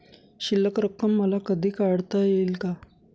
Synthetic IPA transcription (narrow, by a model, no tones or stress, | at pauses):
ɕilːəkɾəkːəmːəlakəd̪ʱiːkaɽt̪ajelka